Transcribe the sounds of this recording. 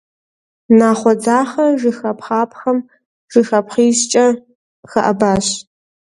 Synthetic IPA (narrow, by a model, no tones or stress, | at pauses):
naːχʷɔd͡zaːχɐʐɨxɐpʰχaːp̚ʰxɐm | ʒ̥ɨxɐpχiːɕt͡ʃʼɐ | xɐʔɐbaːɕ